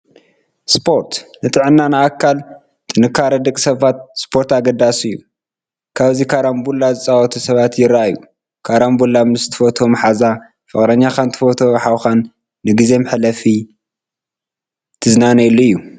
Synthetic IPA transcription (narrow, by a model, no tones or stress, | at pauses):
spʰo̞ɾt̪nɨt̪ʼɨʕɨnːanɨakʰːal | t̪ʼɨnɨkʰːaɾɐd̪ɐkʼsɐβat̪̚spʰo̞ɾt̪aɡɐd̪asɨjːu | kʰaβzikʰaɾambulːazɨt͡sʼawɐt̪ʰusɐβat̪jɪɾaaju | kʰaɾambulːamnɨst̪ʰɨ̥fot̪ʰomħaza | fɨχʼɾɐɲːaxant̪ʰɨ̥fot̪ʰo̞mħawxanː | ɨɡize̞mħlɐfi | t̪ʰɨznanɐjluɨjːu